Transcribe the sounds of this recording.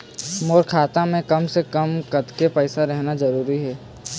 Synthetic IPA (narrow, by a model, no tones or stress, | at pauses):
moːɾkʰaːt̪ãmẽkɐmsekɐmkɐt̪kepɛːsaɾɛɦnazɐɾuːɾiɦɛː